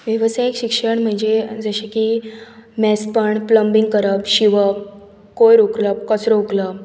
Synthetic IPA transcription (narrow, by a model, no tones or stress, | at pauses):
ʋjəʋəsajikɕikʂəɳm̤əɳd͡zed͡zəɕeki | mɛspəɳpləmbiŋɡkəɾəpɕiʋə | kojɾokləpkət͡sɾouklə